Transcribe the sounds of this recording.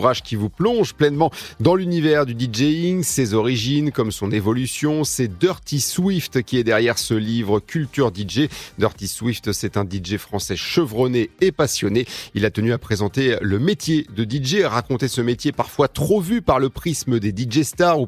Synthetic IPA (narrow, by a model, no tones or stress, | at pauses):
ʁaʒkʲivuplɔ̃ʒplɛnmɑ̃d̪ɑ̃lynivɛʁd̪yd̪id͡ʒeiŋsezɔʁiʒinkɔmsɔ̃nevɔlysjɔ̃sɛd̪œʁt̪iswift̪kʲiɛd̪ɛʁjɛʁsəlivʁəkʲʰylt̪yʁd̪iʒed̪œʁt̪iswift̪sɛt̪ɛ̃d̪iʒefχɑ̃sɛʃəvʁɔneːpasjɔneilat̪ənyapχezɑ̃t̪eləmet̪jed̪əd̪iʒeʁakɔ̃t̪esəmet̪jepaʁfwat̪χovypaʁləpχisməd̪ed̪iʒest̪aʁu